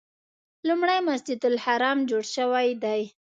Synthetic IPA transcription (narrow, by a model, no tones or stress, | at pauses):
lumɽajmasd͡ʒɪd̪ʊlhaɾɑmd͡ʒoɽʃəwajd̪aj